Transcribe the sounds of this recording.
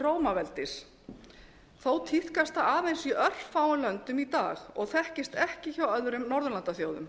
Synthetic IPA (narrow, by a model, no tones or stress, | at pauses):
roːwmavɛlt̪ɪs | θowt̪ʰiθkast̪θaaːðejnsiʔœr̥faːwlœnt̪ʏmit̪a̰ːxɔ̰ɣθɛhcɪst̪ɛhcɪçawœðɾʏmnɔɾðʏlant̪aθjoːwðʏm